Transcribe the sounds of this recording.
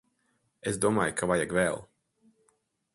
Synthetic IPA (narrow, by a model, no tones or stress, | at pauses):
eszd̪uɔma̰ːjkʰavajaɡvɛlˠ